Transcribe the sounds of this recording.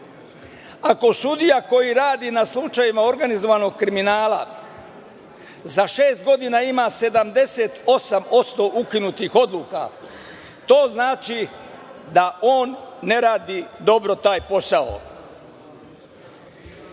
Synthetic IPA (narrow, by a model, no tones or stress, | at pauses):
ako̞sud̪ijako̞jiɾaːd̪inaslˠut͡ʃajimao̞ɾɡanizo̞ʋano̞ɡ̚kɾiminaːla̰ | zaʃe̞ːst̪̚ɡo̞d̪inaimase̞d̪amd̪e̞set̪o̞samo̞t̪st̪o̞ʔukinut̪ixo̞d̪lˠuːka̰ | t̪o̞ːznaːt͡ʃi | d̪aʔo̞ːnːe̞ɾaːd̪id̪o̞bɾo̞t̪aːjpo̞sao̰